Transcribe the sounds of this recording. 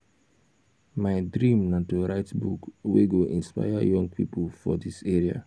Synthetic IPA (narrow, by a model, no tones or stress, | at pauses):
maɪdɾĩmnãntoɾaɪtbukweɡoʔĩnspa̰ɪja̰jɔ̃ŋɡ̚pʰḭpulfɔ̰diseɹia̰